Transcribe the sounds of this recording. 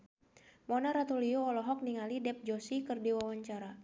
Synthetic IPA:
mɔnaɾat̪uliɔɔlɔɦɔk̚niŋalidɛp̚d͡ʒɔsikɨrdiwawaɲt͡ʃaɾa

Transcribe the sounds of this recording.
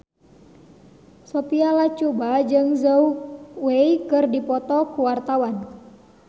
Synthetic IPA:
sɔpialat͡ʃubad͡ʒɨŋzəuweikɨrdipɔt̪ɔkuwart̪awan

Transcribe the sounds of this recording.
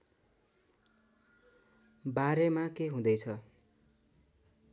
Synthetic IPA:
baɾemakeɦũd̪ʌjt͡sʰʌ

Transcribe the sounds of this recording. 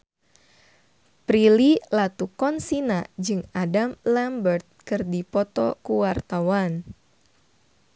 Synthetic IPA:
pɾililat̪ukɔnsinad͡ʒɨŋadamlambərt̪̚kɨrdipɔt̪ɔkuwart̪awan

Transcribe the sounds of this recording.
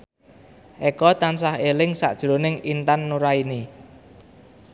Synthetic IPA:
ʔɛkɔt̪ansahelɪŋsa̰ʔd̥ʒ̥ɾo̤nɪŋint̪anːuɾaini

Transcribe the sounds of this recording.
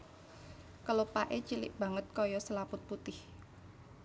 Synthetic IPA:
kəlopaʔet͡ʃilɪ̰ʔb̥ä̤ŋət̪̚kɔjɔsəlapʊt̪̚put̪ɪh

